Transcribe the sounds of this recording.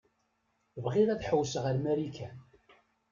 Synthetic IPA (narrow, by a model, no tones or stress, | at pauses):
vʁɪðæθħəwsəʁəɾmæɾikʰæn